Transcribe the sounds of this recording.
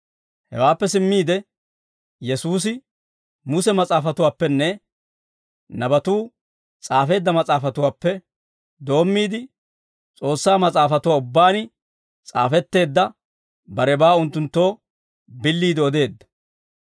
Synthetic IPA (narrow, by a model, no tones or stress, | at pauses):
hɛ̰waːpːɛsɪmːiːd̪ɛ | jɛsuːs̬ɪ | mʊsɛmɐt͡sʼaːfɐt̪ʊwaːpːɛnːɛ | nɐbɐt̪uː | t͡sʼaːfe̞ːd̪ːɐmɐt͡sʼaːfɐt̪ʊwaːpːɛ | d̪o̞ːmːiːd̪ɪ | t͡sʼo̞ːsːaːmɐt͡sʼaːfɐt̪ʊwaːʊbːaːnɪ | t͡sʼa̰ːfɛt̪ːe̞ːd̪ːɐ | bɐɾɛbaːʊnt̪ːʊnt̪ːo̞ː | bɪlːiːd̪ɪɔd̪e̞ːd̪ːɐ̥